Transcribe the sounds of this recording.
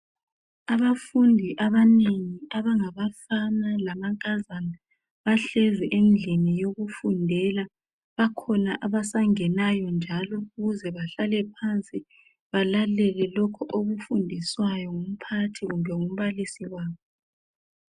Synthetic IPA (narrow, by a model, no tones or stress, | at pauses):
aβafundʱiʔaβaneŋiaβaŋaβafanalamaŋkʼazana | βaɬɛzɛʔend͡ɮʱenijoɣufundʱɛla | βakʰɔnaʔaβasaŋɛnajɔnd͡ʒʱalɔuɣuzɛβaɬalɛpʰant͡sʼi | βalalɛlɛlɔkʰɔʔoɣufundʱiswajɔŋum̩pʰatʰiɣumbʱɛŋum̩βalisiwaːβɔ